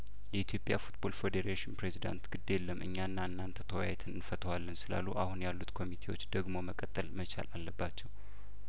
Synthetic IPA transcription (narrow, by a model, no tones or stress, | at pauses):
jɛit̪ʰjo̞pʼja̰fut̪bo̞lfed̪eɾeʃɪnpɾe̞zid̪a̰nt̪ɡ̥ɨd̪ːelːəmʔɨ̰ɲːanːaɨnːant̪ʰə̥t̪ʰəwa̰jɛt̪ʰɨnɨnfət̪ʰəwalːənsɨla̰lːuʔahunjalːut̪kʰo̞mit̪ʰe̞wo̞t͡ʃːd̪əɡmo̞məkʼət̪ʼːəlmət͡ʃʰa̰lalːəbːat͡ʃːɛw